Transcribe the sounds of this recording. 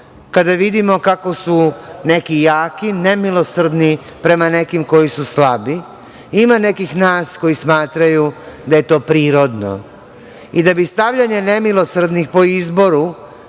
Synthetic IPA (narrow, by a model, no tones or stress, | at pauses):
kad̪aʋid̪imo̞kako̞sune̞kijaːkine̞milˠo̞sr̩d̪nipɾe̞mane̞kimko̞jisuslabi | imane̞kixnaːsko̞jismaːt̪ɾajud̪aje̞t̪o̞ːpɾiːɾo̞d̪no̰ | id̪abist̪aʋʎaɲene̞milˠo̞sr̩d̪nixpo̞izbo̞ɾu